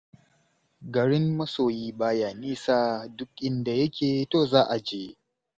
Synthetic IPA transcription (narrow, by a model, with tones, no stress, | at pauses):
ɡɐ˨ɽɪ˦mːɐ˦soː˨jiː˦baː˦jaː˨niː˦sa˦dʊ˦k̚ʔɪ˦nda˨jɐ˦kʲeː˨toː˦zaː˦ʔa˨d͡ʒeː˦